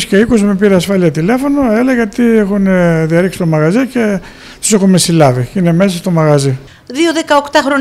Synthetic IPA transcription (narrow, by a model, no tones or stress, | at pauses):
sce̞ikosmepiɾeɐsfɐliɐt̪ile̞fo̞noe̞leɣɐt̪iexuneðiɐɾiksi̥t̪omɐɣɐzice̞ | o̥sexunmesilɐviine̞me̞sɐst̪o̞mɐɣɐzi | ðioðekɐokt̪ɐxɾo